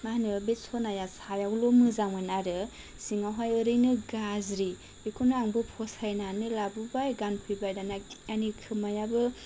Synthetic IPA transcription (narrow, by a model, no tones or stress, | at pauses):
maanɯbesʰɔnajasajawlomɯzamɯjnaɾɯ | siŋawɦajɯɾɯjnɯɡazɾi | bikʰunɯaŋbɯpʰɔsajnanɯlabubajɡanpʰɯjbajdanaanikʰɯmajabɯ